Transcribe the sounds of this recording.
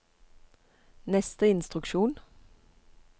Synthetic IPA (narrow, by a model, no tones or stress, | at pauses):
nɛst̪əɪnst̪ʁʉkʃuːn